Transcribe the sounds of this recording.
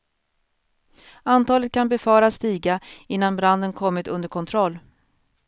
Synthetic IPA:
ant̪ʰɑːlət̪̚kʰanbɛfɑːɾast̪iːɡaɪnːanbɾand̪ənkʰɔmːɪt̪ɵnd̪əɾkʰɔnt̪ʰɾɔlː

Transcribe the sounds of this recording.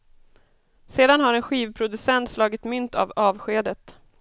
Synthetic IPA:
seːd̪anɦaɾɛnɧiːvpʰɾʊd̪ɵsɛnt̪slɑːɡɪt̪mʏnt̪ʰa̰vɑːvɧeːd̪ət̪

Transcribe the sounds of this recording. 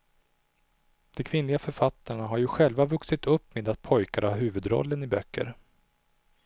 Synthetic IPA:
d̪̥ɛkʰvɪnlɪɡafœɾfat̪ʰːaɳaɦaɾjɵɧɛlvavɵksɪt̪ʰɵpːmeːd̪at̪̚pʰɔjkaɾaɦʉ̟ːvɵd̪ɾɔ̰lːənɪbœkːə̰ɾ

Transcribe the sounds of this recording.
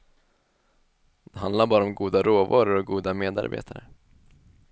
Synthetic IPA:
d̪̥ɛɦand̪laɾbɑːɾaɔmɡuːd̪aɾoːvɑːɾʊɾɔɡuːd̪ameːd̪a̰ɾbḛːt̪ʰaɾə̰

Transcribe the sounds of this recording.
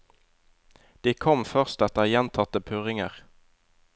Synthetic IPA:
d̪̥iːkʰɔmfœʁst̪ɛt̪əjɛnt̪ʰɑt̪əpʰʉːʁɪŋəʁ

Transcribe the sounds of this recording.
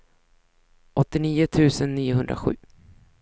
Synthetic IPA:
ʔɔt̪ːɪniːʊt̪ʰʉ̟ːsənːiːʊɦɵnd̪ɾa̰ɧʉ̟ː

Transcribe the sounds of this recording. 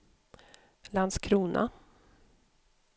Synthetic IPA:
land̪skʰɾuːnʔa̰

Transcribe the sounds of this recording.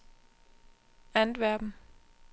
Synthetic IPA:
ænd̥ʋæɐb̥m̩

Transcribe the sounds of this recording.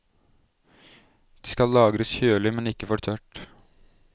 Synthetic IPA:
d̪̥iːskɑllɑːɡɾəsçøːɭɪmɛnɪkːəfɔɾt̪ʰœʈ

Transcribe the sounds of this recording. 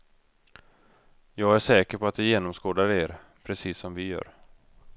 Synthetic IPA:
jɑːɡæʂɛːkəɾpʰɔat̪̚d̪ɪjeːnɔmskoːd̪aɾəeːɾ | pʰɾɛsiːsːɔmvɪjœ̰ːɾ

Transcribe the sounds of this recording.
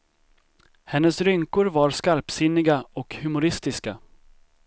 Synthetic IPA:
hɛnːəsɾʏŋkʊɾvaɾskaɾpsɪnːɪɡaɔkhɵmʊɾɪst̪ɪska

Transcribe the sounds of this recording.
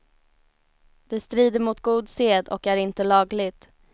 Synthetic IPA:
d̪̥ɛst̪ɾiːd̪əɾmʊt̪ɡuːd̪seːd̪ɔ̰kæɾɪnt̪əlɑːɡlɪɡt̪

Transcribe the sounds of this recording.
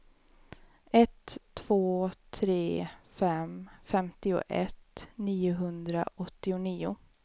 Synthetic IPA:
ɛt̪ʰːv̥oːt̪ʰɾeːfɛmfɛmt̪ɪʊ̰ʔɛt̪niːʊɦɵnd̪ɾa̰ʔɔt̪ːɪʊniːʊ̰

